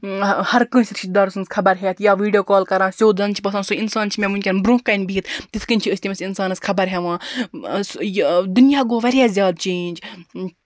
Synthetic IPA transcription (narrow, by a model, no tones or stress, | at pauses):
hɐɾkɨ̃ːsʲɾɪʃid̪d̪aːɾsɨnskʰɐbɐɾɦeːt̪jaːʋiːɖijoːkaːlkɐɾãːsʲoːd̪ɐnt͡ʃʰi̥pɐsãːnsuinsaːnt͡ʃʰimẽmũnʲkʲɐnbɾũːkːɐnʲbʱiːt̪t̪it̪kənʲt͡ʃʰiəsʲt̪ʲimɐsʲinsaːnɐskʰɐbɐɾɦeʋãː | d̪unjaːɡoːʋɐɾʲjaːzʲjaːd̪t͡ʃẽːnʲd͡ʒ